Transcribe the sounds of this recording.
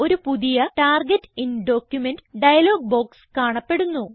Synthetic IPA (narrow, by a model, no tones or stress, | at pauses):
o̞ɾupuðijɐʈaːrɡetːinɖo̞ːkjumenɖɖɐjɐlo̞ːɡ̚bo̞ːkskaːɳɐpːe̞ɽunːu